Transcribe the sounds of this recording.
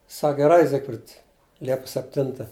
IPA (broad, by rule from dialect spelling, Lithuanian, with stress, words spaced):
ˈsɐk ɡʲɛˈrɐɪ ˈzʲɪkfʲrʲɪt ˈlʲiɛpʊs sʲɛpʲˈtʲɪntɐ